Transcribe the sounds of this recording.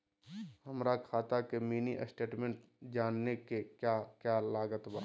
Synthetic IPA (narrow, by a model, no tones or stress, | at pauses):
hɐmɾakʰaːt̪akemiːniʔəsʈeːʈmẽɳʈ | d͡ʒaːnːekekjakjalaːɡət̪ba̰ː